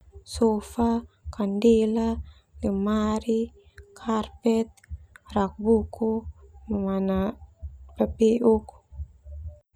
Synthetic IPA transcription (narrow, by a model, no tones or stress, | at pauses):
sɔfakandila | ləmaɾi | kʰarpɛt̪̚rak̚bukuməmana | pɛpiʔuk